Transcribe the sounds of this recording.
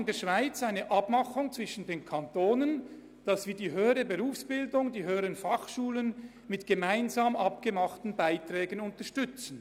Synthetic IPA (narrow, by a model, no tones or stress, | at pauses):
ndeːɐʃv̥aɪt͡saɪnəʔɑbmɑχʊŋt͡sv̥ɪʃn̩deːnkʰantoːnən | d̥ɑsv̥iːdiːɦøːəɾəbəʁuːfsb̥ɪldʊŋdiːɦøːəɾənfɑχʃuːlən | mɪtɡ̥əmaɪnzaːmɑpɡ̥əmɑχtn̩baɪtʁɛːɡənʊntəɐʃtʏt͡sn̩